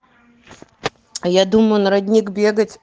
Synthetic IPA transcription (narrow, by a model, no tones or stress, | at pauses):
jad̪umənɐɾɐdʲnʲikbʲeɡətʲ